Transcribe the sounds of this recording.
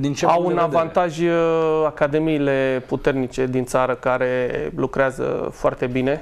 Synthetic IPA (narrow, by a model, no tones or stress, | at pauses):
d̪int͡ʃeawunavant̪aʒʲakad̪e̞miːle̞put̪e̞rnit͡ʃe̞d̪int̪saɾəkaɾe̞lukɾeazə̰foa̰rt̪e̞bine̞